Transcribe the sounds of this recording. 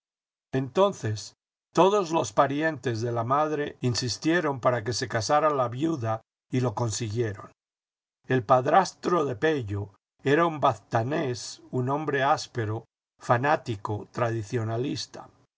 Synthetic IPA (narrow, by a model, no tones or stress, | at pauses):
e̞nt̪o̞nθe̞s | t̪o̞ðo̞zlo̞spaɾje̞nt̪e̞zðe̞lamaðɾe̞insist̪je̞ɾo̞mpaɾake̞se̞kasaɾalaβjuða | ilo̞ko̞nsiɣje̞ɾon | e̞lpaðɾast̪ɾo̞ðe̞pe̞ʝo | e̞ɾaumbaθt̪anesunõ̞mbɾe̞aspe̞ɾo | fanat̪ikot̪ɾaðiθjo̞nalist̪ḁ